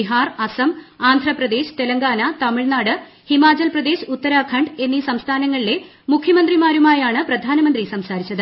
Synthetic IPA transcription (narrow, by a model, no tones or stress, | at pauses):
iɦaːrɐsɐmaːnd̪ʱrɐprɐd̪e̞ːɕɨ̥t̪e̞lɐŋɡaːnɐt̪ɐmiɭnaːɽɨ | himaːt͡ɕɐlprɐd̪e̞ːɕut̪ːɐɾaːkʰɐɳɖe̞nːisɐmst̪ʰaːnɐŋːɐɭile̞ | mukʰjɐmɐnd̪rimaːɾumaːjaːɳɨprɐd̪ʱaːnɐmɐnd̪risɐmsaːɾit͡ɕːɐðɨ